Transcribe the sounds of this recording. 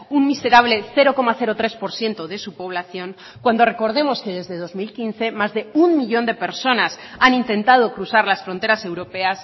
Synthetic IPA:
ummise̞ɾaβ̞le̞θe̞ɾo̞ko̞maθe̞ɾot̪ɾe̞spo̞ɾsje̞nt̪oðe̞supo̞β̞laθjo̞ŋ | kwand̪o̞re̞ko̞ɾð̞e̞mo̞ske̞ðe̞zðeð̞o̞zmilkinθe̞mazðe̞ummiʎo̞nd̪e̞pe̞ɾso̞nasanint̪ẽ̞nt̪að̞o̞kɾuθaɾlasfɾo̞nt̪e̞ɾase̞wɾo̞pe̞as

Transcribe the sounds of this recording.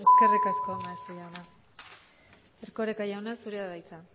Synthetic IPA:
eske̞rikasko̞onaest̪ejawna | eɾkoɾekajawnasuɾeaðajt͡sa

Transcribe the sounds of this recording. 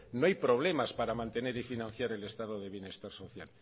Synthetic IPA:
noajpɾo̞β̞le̞maspaɾamãnt̪e̞ne̞ɾifinãn̟θjaɾe̞le̞st̪aðoðe̞β̞je̞ne̞st̪aɾso̞θja̰l

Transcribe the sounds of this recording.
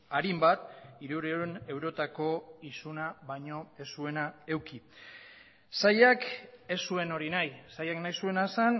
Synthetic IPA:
aɾimbat̪̚iɾuɾeone̞wɾo̞t̪ako̞isunaβajɲo̞e̞sue̞nae̞wki | sajake̞sue̞no̞ɾinajsajaknajsue̞nasan

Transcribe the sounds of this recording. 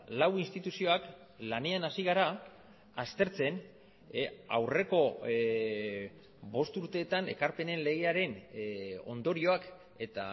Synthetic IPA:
lawinst̪it̪usio̞ak | lane̞anasiɣ̞aɾa | ast̪e̞ɾt͡se̞n | a̰wre̞ko̞ | bo̞st̪uɾt̪e̞ːt̪ane̞̰kaɾpe̞ne̞nle̞ɣ̞e̞aɾe̞n | o̞̰nd̪o̞ɾio̞ak | e̞t̪a̰

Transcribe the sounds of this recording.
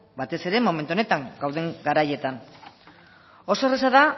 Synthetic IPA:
bat̪e̞se̞ɾe̞mo̞me̞nt̪uo̞ne̞t̪aŋɡ̥awðe̞ŋɡaɾaje̞t̪an | o̞so̞eres̬aða

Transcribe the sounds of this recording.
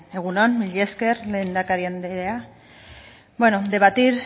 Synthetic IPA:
e̞ɣ̞unonmiʎe̞ske̞ɾle̞ːnd̪akaɾiand̪eɾea | bwenod̪e̞βat̪iɾ

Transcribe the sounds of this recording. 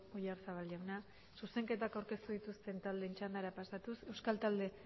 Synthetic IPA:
ojaɾsaβalʎawna | suse̞ŋke̞t̪akawɾke̞st̪uð̞it̪ust̪e̞nt̪ald̪eːnt͡ʃand̪aɾapasat̪use̞wskalt̪ald̪e̞

